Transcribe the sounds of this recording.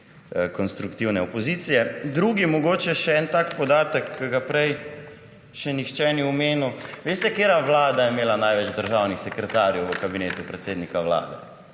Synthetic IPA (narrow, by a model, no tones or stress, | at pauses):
kɔnst̪ɾukt̪iwnɛɔpɔziːt̪sijɛd̪ɾuːɡimɔɡoːt͡ʃɛʃɛɛnt̪aːkpɔd̪aːt̪əkkːəɡapɾɛj | ʃɛnixt͡ʃɛːniɔmeːnuʋeːst̪ɛkeːɾaʋlaːd̪ajɛmeːlanajʋɛd͡ʒd̪əɾʒawnixsɛkɾɛt̪aːɾjɛwʋəkabineːt̪upɾɛt̪seːd̪nikaʋla̰ːd̪ɛ